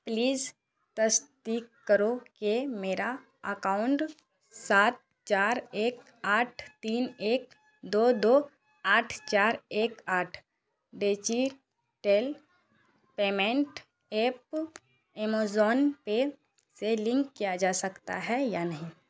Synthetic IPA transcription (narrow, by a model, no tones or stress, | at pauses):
pliːz | t̪əst̪iːkːəɾokemeːɾa | əkaːʊɳʈ | saːt̪̚ | t͡ʃaːɾeːk | aːʈʰt̪iːneːk | d̪oːd̪oː | aːʈʰt͡ʃaːɾeːkaːʈʰ | ɖeːt͡ʃi | ʈel | peːmẽɳʈ | eːp | eːmozɔːnpe | selɪ̃ŋkːijad͡ʒaːsəkt̪a̰ɦɛjaːnɐɦĩː